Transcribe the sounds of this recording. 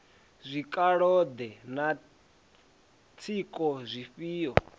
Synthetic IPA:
zʷikʼaɺɔd̪ɛna | t͡sʰikʼɔzʷiɸiːɔ̰

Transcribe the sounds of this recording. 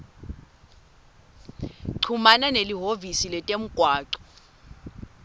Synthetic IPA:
ǀʰumananeliɦovisilɛtʼem̩ɡ̥ʱwaːǀɔ̥

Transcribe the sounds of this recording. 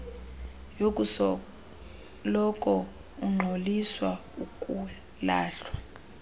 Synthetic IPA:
jokʼusɔ | lɔkʼɔ | uŋ͡ǃʱoliswaukʼu | laːɬwa

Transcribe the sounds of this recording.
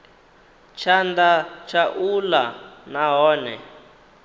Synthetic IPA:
t͡ʃʰandat͡ʃʰaʔulanaɦɔːnɛ

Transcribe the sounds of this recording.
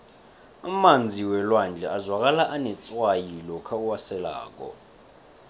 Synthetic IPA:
amand͡zʱiwɛlwand͡ɮʱɛʔazwak̬ʼalaʔanɛt͡sʼwajilɔkʰauwasɛla̰ːk̬ʼɔ̰

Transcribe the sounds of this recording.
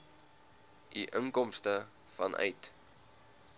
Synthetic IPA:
ʔiʔəŋkɔmstə | fɐnʔœ̰jt

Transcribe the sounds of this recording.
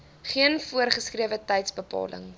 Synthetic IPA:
χiənfuərχəskriəvətɛjtsbəpɑ̰ːlə̰ŋ

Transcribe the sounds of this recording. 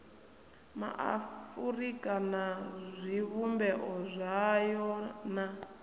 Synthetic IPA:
ma̰ʔa̰furikanazʷiβumbɛʔɔzʷajɔna

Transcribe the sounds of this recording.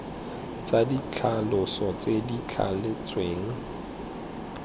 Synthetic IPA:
t͡sadit͡ɬʰalʊsɔt͡sedit͡ɬʰa̰let͡sʼweːŋ̩

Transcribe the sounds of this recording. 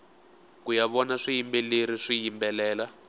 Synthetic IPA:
kujaβɔnaʂijimbɛleɾiʂijimbɛlɛːla

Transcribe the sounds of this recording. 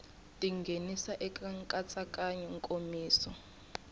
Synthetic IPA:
tʼiŋɡʱenisaʔɛkʼaŋkʼat͡sʼakʼaɲɛŋkʼomiːsɔ

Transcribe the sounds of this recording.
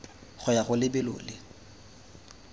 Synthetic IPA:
χʊjaχʊlɪbɪlo̰ːlɪ

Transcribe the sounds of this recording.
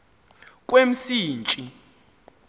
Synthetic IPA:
k̬ʼwem̩siːnt͡ʃʼi

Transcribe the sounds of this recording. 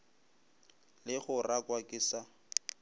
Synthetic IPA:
lɪχʊrakʼwakʼɪsa

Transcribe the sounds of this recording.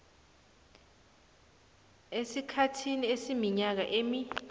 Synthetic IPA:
esikʰatʰiniesimiɲak̬aʔemi

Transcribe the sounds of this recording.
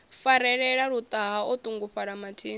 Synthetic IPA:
faɾɛɺɛɺaɺut̪ʼaɦaɔt̪ʼuŋɡuɸaɺamatʰiːn

